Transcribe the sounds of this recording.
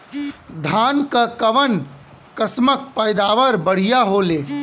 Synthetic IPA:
d̪ʱaːnkakɐʋən | kəsmək̚pəɪd̪aːʋəɾbəɽ̤ijaɦoːleː

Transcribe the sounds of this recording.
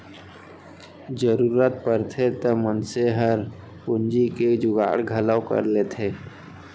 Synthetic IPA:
d͡ʒəɾuɾət̪̚pəɾt̪ʰet̪əmənseɦəɾ | pʊnd͡ʒiked͡ʒʊɡa̰ːɽɡʱələwkə̰ɾlet̪ʰeː

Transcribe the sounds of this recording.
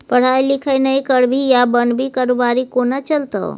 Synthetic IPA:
pəɽ̤ajlikʰəjnəjkəɽbʱijabənbʱikaɾobaɾikonat͡ʃəlt̪ə̰w

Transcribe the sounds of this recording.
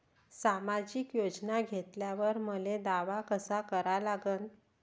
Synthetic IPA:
samad͡ʑikjod͡ʑnaɡʱet̪ljaʋəɾməled̪aʋakəsakəɾalaɡəːn

